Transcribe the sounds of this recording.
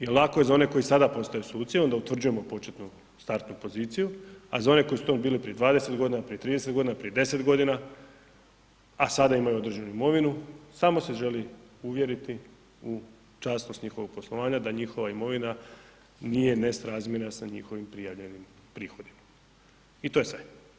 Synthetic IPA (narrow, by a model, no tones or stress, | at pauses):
jelˠako̞je̞zao̞ne̞ko̞isad̪apo̞st̪ajesoluːt̪sieo̞nd̪aut̪ʋɾr̩d͡ʒuje̞mo̞po̞t͡ʃet̪nu | st̪aɾt̪nupo̞ziːt̪sijua̰zao̞ne̞ko̞jisut̪ombiːlipɾije̞d̪ʋaːd̪e̞se̞t̪ɡo̞d̪inapɾijet̪ɾiːd̪eset̪ɡo̞d̪inapɾije̞d̪e̞se̞t̪ɡo̞d̪ina | asad̪aimajuo̞d̪ɾʒenuimo̞ʋinusaːmo̞se̞ʒe̞liuʋje̞ɾit̪i | u | t͡ʃaːsnost̪ɲixo̞ʋo̞ɡ̚po̞slˠoʋaːɲad̪aɲixo̞ʋaimo̞ʋina | nije̞nesɾaːzmjenasaɲixo̞ʋimpɾijaʋʎe̞nim | pɾiːxo̞d̪ima | it̪o̞jesʋe